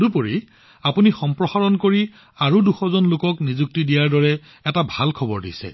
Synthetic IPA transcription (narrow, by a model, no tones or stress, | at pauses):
dupoɹi | apunixɔmpɹɔxaɹɔnkoɹi | aɹuduxɔzɔnlʊkɔknizuk̚tidijaɹdɔɹɛ | ɛtabʱalkʰɔbɔɹdḭsɛ̰